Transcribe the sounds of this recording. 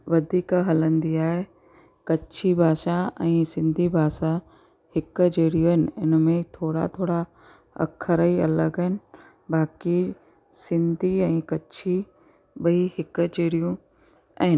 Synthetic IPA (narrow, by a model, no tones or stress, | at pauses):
ʋɐd̪ʱiːkɦɐlə̃nd̪iaːɦe | kɐt͡ɕʰibʱaːʃaɛ̃ːsɪ̃nd̪ʱibʱaːʃa | hɪkd͡ʑeːɽijuɦɪnɪ̆ɪ̰nəmẽt̪ʰoːɽa̰t̪ʰoːɽa | ɐ̰kʰəɾəiɐləɡɦɪnɪ̆ | baːki | sɪ̃nd̪ʱiɛ̃ːkɐt͡ɕʰi | ɓɐihɪk̆d͡ʑeːɽijũ | ɛ̃ːn